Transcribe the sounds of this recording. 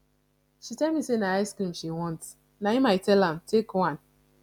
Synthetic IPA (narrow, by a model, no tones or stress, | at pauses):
ʃitɛlmisenaaɪskɾĩmʃiwɔ̃nt | naimaɪtɛlãm̩tekwãn